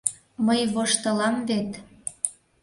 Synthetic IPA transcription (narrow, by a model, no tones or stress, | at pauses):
məjβoʃt̪ɤ̆lɑmvet̪